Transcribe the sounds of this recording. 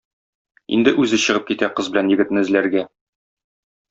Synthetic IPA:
ḭnd̪ɘʔʉzɘɕɤ̆ʁɤp̚kit̪æqɤzbɘ̆lænjɘ̆ɡɘ̆t̪nɘɘ̆zlæɾɡæ

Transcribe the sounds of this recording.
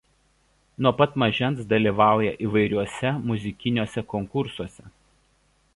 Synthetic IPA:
nuɔpɐt̪mɐʒʲɛnt̪sd̪ɐlʲiːˑʋɑˑʊjɛʔiːʋɐɪɾʲuɔsʲɛmʊzʲɪkʲɪnʲuɔsʲɛkɔŋkʊɾsuɔsʲɛ

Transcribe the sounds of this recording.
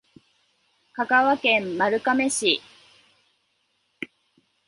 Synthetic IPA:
kakaβakẽ̞mːaɾɯ̟kame̞ɕi

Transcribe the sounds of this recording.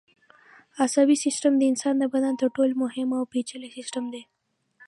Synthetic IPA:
asabisɪsʈəmd̪əɪnsɑnd̪əbad̪ant̪əɾʈolmʊɦɪmawpet͡ʃəlesɪsʈəmd̪e

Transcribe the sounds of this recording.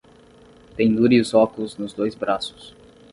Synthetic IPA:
t̪ẽñd̪uɾiʊzɔkʊlʊznʊzd̪ojzbɾasʊ̥s

